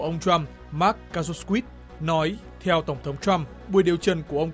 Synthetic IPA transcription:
ʔə˧wŋ͡mt͡ɕwa˧m | maː˦˥kːaː˧zo˧skwi˦˥t̚ | nɔ˨˦j | t̪ʰɛ˧wt̪ə˧˩wŋ͡mt̪ʰə˨˦wŋ͡mt͡ɕwa˧m | ɓu˧˩əɗi˨˩əwt͡ɕə˧˩nku˧˩əʔə˧w

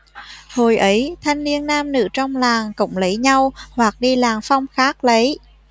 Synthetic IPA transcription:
ho˨˩jʔə˨˦jt̪ʰa˧jŋ̟ni˧ənːaː˧mnɨ̰˧˥t͡ɕɔ˧wŋ͡mlaː˨˩ŋkʊ̰˧˥wŋ͡mlə˨˦jɲa˧whwa˨˩k̚ɗi˧laː˨˩ŋfɔ˧wŋ͡mxaː˦˥k̚lə˨˦j

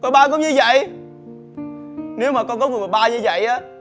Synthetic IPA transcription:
kɔ˧˦ɓaː˧kɔ˨˦m̚ɲɨ˧və̰˧˨j | ne˨˦wmaː˨˩kɔ˧nkɔ˨˦ŋɨ˨˩və˨˩ɓaː˧ɲɨ˧və̰˧˨jʔaː˨˦

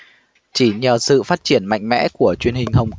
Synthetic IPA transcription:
t͡ɕi˧˩˦ɲəː˨˩sɨ̰˧˨faː˦˥t̚t͡ɕi˧˩ənma̰˧˨jŋ̟mɛ̰˧˥ku˧˩ət͡ɕwi˧ənhï˨˩ŋ̟ɦə˨˩wŋ͡m

